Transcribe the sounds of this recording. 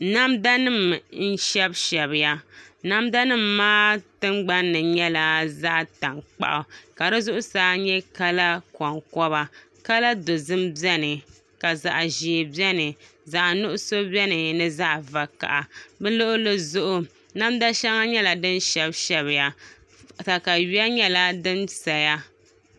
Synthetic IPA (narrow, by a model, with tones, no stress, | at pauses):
na˦mda˦nɨ˦mn̩˦ʃɛ˦bʃɛ˨βɪ˨ja˦na˦mda˦nɨ˦mːaː˦tɨ˦mɡ͡ba˦nːɨ˨ɲɛ˦la˨za˦ʔta˨ŋk͡pa̰˦˨ʔa˨ka˨ɾɨ˦zʊ˦ʔʊ˦saː˨˦ɲɛ˦ka˦la˦kɔ˨ŋkɔ˦βa˨ | ka˦la˦do˨zɨ˦mbɛ˦nɨ˨ | ka˨za˨ʔʒi˨e˨bɛ˦nɨ˨ | za˨ʔnʊ˦ʔʊ˦so˦bɛ˦nɨ˨nɨ˦za˦ʔva˨ka̰˨ʔa˨bɛ˦lo˦ʔʊ˦lɨ˦zʊ˦ʔʊ˨ | na˦mda˦ʃɛ˦ŋa˦ɲɛ˦la˨dɨ˦nʃɛ˦bʃɛ˦βɪ˨ja˨ | ta˨ka˨ɥi˦a˦ɲɛ˦la˦dɨ˦nsa˨ja˦